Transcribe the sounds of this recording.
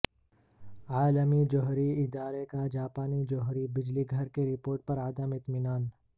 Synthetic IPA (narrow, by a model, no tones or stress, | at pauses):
aːləmid͡ʒɔɦɾiɪd̪aːɾekad͡ʒaːpaːnid͡ʒɔɦɾibɪd͡ʒliɡʱɐɾkeɾɪpoːɾʈ̚pɐɾɐd̪əmɪt̪mɪnaːn